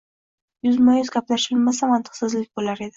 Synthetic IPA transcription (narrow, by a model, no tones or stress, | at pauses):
jʊzmajʏzɡʲaplaʃɪlmasamant̪ʰɨ̥qsɪzlɪk̚ʲbolaɾe̞d̪ɪ